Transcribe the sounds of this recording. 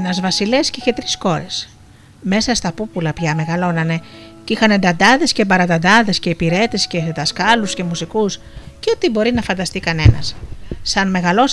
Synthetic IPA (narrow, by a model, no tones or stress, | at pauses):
enɐzvɐsile̞sceiçe̞t̪ɾisxo̞ɾe̞s | me̞sɐst̪ɐpupulɐpçɐme̞ɣɐlo̞nɐne̞ | cixɐnend̪ɐnd̪ɐðe̞scebɐɾɐnd̪ɐnd̪ɐðe̞sce̞ipiɾe̞t̪e̞sce̞ðɐskɐlusce̞musikus | ceot̪ibo̞ɾinɐfɐnd̪ɐst̪ikɐne̞nɐ̰sːɐnme̞ɣɐlo̞s